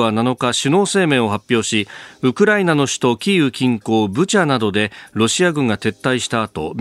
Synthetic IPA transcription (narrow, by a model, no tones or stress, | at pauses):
anano̞kaɕino̞ːse̞ːmẽ̞ɰ̃o̞ɦapʲjo̞ːɕiɯ̟kɯ̟ɾainano̞ɕi̥t̪o̞kʲiːɯ̟kʲĩŋko̞ːbɯ̟t͡ɕanad̪o̞d̪e̞ɾo̞ɕiaɡɯ̟̃ŋɡat̪e̞t̪ːaiɕi̥t̪aːt̪o̞̰m